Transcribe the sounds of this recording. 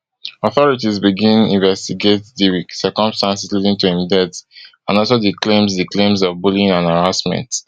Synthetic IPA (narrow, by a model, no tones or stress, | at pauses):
ɔθɔɹitizbiɡĩnĩnvɛstiɡetdiwiksɜkɔ̃mstãnsizlidĩŋtuhĩmdɛt | ãnɔlsodiklẽmzdiklẽmzɔvbulĩŋãnaɹasmɛ̰̃nt